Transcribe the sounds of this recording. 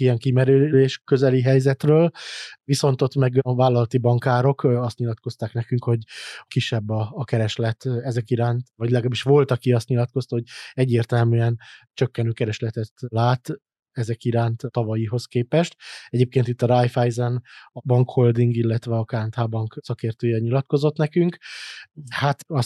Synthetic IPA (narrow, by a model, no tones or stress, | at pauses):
ijɛŋkimɛɾyleːʃkø̞zɛliɦɛjzɛt̪røːlʋiso̞nt̪o̞t̪mɛɡvaːlːɒlɒt̪ibɒŋkaːɾo̞kɒst̪ɲilɒt̪ko̞st̪aːknɛkyŋkho̞ɟkiʃːɛbːɒːkɛɾɛʃlɛt̪ɛzɛkiɾaːnt̪ʋɒɟlɛɡlaːbiʃʋo̞lt̪ɒkiɒst̪ɲilɒt̪ko̞st̪ɒho̞ɟɛɟːeːrt̪ɛlmyɛnt͡ʃøkːɛnøːkɛɾɛʃlɛt̪ɛt̪laːt̪ | ɛzɛkiɾaːnt̪t̪ɒvɒjiɦo̞skeːpɛʃt̪ɛɟeːp̚keːnt̪it̪ːɒɾajfajzɛnɒbɒŋkhold̪iŋɡilːɛt̪ʋɛɒkaːnt̪haːbɒŋksɒkeːrt̪øːjɛɲilɒt̪ko̞zo̞t̪nɛkyŋk | hat̪ɒs